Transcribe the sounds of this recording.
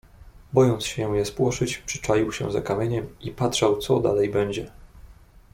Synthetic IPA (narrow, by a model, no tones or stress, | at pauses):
bɔjɔnt̪sɕɛ̃jɛspwɔʂɘt͡ɕpʂɘ̥t͡ʂalʲiwɕɛ̰̃za̰kamʲjeɲɛmipatʂawt̪sɔd̪a̰lɛjbɛɲd͡ʑɛ